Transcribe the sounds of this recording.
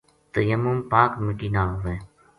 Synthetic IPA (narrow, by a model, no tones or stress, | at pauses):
t̪əjəmːumpaːkmɪʈiːnaːɦʋeː